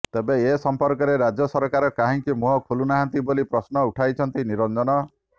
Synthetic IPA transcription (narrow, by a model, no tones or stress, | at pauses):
t̪ebeesɔmpɔɾkɔɾeɾad͡ʒɔsɔɾkaɾɔkaɦĩŋkimuɦɔkʰulunaɦant̪ibolipɾɔsnɔuʈʰajt͡ʃʰɔnt̪iniɾɔnd͡ʒɔnɔ